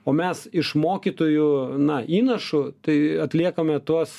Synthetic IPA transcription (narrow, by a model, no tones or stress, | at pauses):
oːmʲɛsɪʃmoːkʲit̪oːjʊnɐiːnɐʃʊt̪ɐɪɐt̪ʲlʲiɛkɐmʲɛt̪uɔs